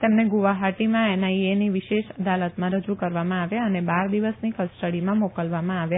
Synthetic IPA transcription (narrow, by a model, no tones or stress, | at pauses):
t̪emneɡuʋaɦaʈimãenaieniʋiʃeʃəd̪alət̪mãɾəd͡ʒukəɾʋamãaʋjaənebaɾd̪iʋəsnikəsʈəɽimãmɔkəlʋamãaʋja